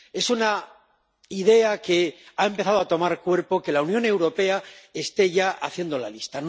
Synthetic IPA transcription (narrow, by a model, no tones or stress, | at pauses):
e̞suna | iðe̞ake̞ae̞mpe̞θaðoat̪o̞maɾkwe̞ɾpo̞ke̞launjõ̞ne̞wɾo̞pe̞ae̞st̪e̞ʝaʔaθje̞nd̪o̞lalist̪an